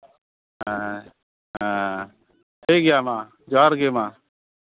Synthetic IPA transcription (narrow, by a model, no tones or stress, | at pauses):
ɦaː | ɦãː | tʰeːɡɪjaːmãː | d͡ʒaːɾɡeːmãː